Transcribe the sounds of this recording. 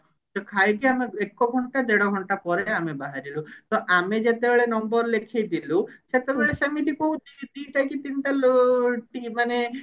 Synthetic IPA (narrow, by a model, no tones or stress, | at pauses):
t̪ɔkʰajkiameekɔɡʱɔɳʈad̪eɽɔɡʱɔɳʈapɔɾeamebaɦaɾilut̪ɔʔamed͡ʒet̪ebeɭenɔmbɔɾlekʰejd̪iluset̪ebeɭesamit̪ikoɦũt̪it̪iɦʈajkit̪inʈaloʈimane